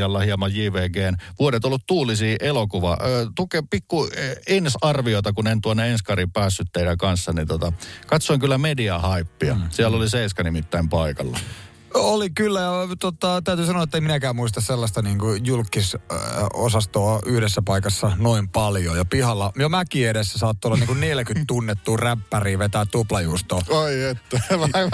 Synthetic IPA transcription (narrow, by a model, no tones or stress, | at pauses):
ɑlːɑhiɑmɑjjiːʋeːkeːnʋuoɾet̪olːut̪t̪uːlisiːʔelokuʋɑ̰t̪ukepikːuensɑrʋioˑt̪ɑkunent̪uonːeenskɑripæːsːyt̪ːeidækɑnsːɑnint̪ot̪ɑkɑt̪soˑiŋkylːæmediɑhɑipːiɑ̰siælːoliseiskɑnimit̪ːæimpɑikɑlːɑ̰ | olikylːæjɑt̪ot̪ɑt̪æyt̪yːsɑnoɑet̪ːemminækæːmmuist̪ɑsselːɑst̪ɑniːŋkujulkːis | o̰sɑst̪oːyhɾesːæpɑikɑsːɑnoimpɑljojɑpihɑlːɑjomækiːeɾesːæsɑːt̪ːuolːɑniːŋkunneljækyt̪t̪unːet̪ːuːræpːæriːʋet̪æt̪ːuplɑjuːst̪oːɑiet̪ːæʋɑi